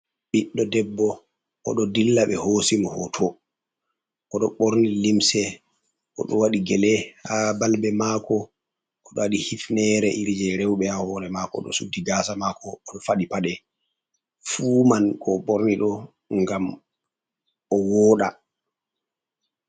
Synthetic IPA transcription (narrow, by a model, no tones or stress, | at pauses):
ɓiɗːɔdɛbːɔ | ʔɔ̰ɗɔdilːaɓɛhoːsimɔhɔ̰tʰɔ | ɔɗɔɓoɾnilimsɛ | ʔɔɗɔwaɗiɡɛlɛhabalbɛmakɔ | ɔɗɔwaɗihifnɛɾɛʔiɾd͡ʒɛɾɛwɓɛhahɔnɛmakɔ̰ɗɔ̰sudːiɡasamakʰɔːɗɔfaɗipaɗɛ | fuːmankʰɔɓoɾniɗɔ | ŋɡam | ɔwɔːɗa